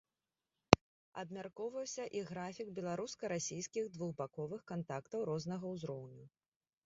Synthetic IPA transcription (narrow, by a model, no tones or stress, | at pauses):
ɐ̰bmʲarkɔwvɐwsʲɐʔiɣɾafʲiɡbʲɛlˠaɾuskɐɾasʲijskʲiɣd̪vuɣbakɔvɨxkant̪akt̪ɐwɾɔznɐɣɐwzɾɔwnʲu